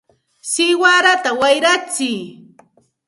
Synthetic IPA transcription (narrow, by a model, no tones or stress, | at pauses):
sɪjwaɾat̪awajɾat͡sɪj